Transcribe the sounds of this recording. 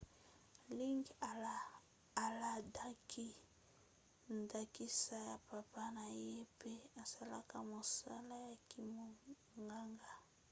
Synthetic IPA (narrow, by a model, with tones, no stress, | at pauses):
li˦ŋɡa˨ | a˨la˨da˦kʰi˦ | nda˨ki˦sa˦ja˨pa˨pa˦na˨je˦pe˦a˨sa˦la˦ka˦mo˨sa˦la˦ja˨ki˨mo˨ | ŋɡa˦ŋɡa˦˨